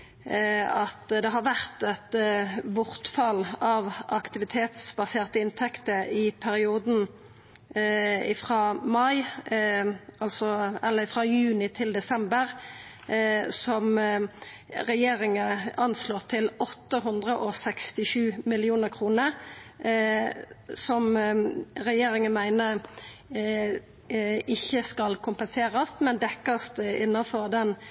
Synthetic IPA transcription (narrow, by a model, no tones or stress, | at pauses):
ɑt̪d̪ɛɦɑɾʋæʁt̪ɛt̪bʊʁt̪fɑlɑʋɑkt̪ɪʋɪt̪ʰeːt̪sbɑseːʁt̪əɪnt̪ʰɛkt̪əɪpʰæɾɪuːd̪n̩ | ɪfʁɑːmɑɪ | ɑlsɔɛlːəɪfʁɑːjʉːnɪt̪ʰɪld̪ɛsɛmbəʁ | sɔm | ʁɛjeːʁɪŋəɑnsloːʁt̪ʰɪlɔt̪ːəɦʉnd̪ʁəʔɔsɛkst̪ɪʃʉːmɪlɪuːnəʁkʰʁuːnəɾ | sɔm | ʁɛjeːɾɪŋənmæɪnə | ɪçːəskɑlkʰʊmpɛnseːʁəst̪mɛnd̪ɛkːəst̪ɪnːɑfɔʁd̪ɛn